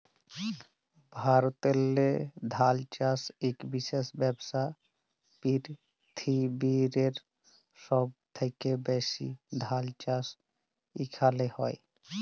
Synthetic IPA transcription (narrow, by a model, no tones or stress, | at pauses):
bʱaɾot̪elːed̪ʱalt͡ʃasekbiʃesbɛbsa | piɾ | t̪ʰibiɾeɾ | ʃɔb̚t̪ʰekebɛsḭd̪ʱalt͡ʃas | ikʰalehɔe